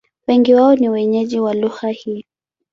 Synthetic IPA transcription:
wɛŋɡiwaɔniwɛɲɛʄiwaluɣahiːɔ

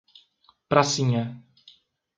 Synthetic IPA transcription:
pɾasiɲɛ

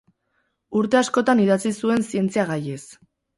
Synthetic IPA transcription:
uɾt̪e̞asko̞t̪aniðat͡sisue̞nsie̞nt͡siaɣaje̞s

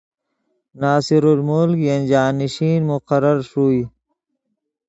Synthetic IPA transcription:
naːsiɾuɾmulkjɐnʲd͡ʑaːniɕiːnmuqɐɾəɾʂuːi

